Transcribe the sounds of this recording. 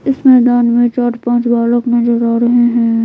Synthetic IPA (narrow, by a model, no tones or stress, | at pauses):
ɪsmɛːd̪aːnmẽt͡ʃaːɾpãːt͡ʃbaːləknɐd͡ʒəɾaːɾɐɦeɦɛ̃ː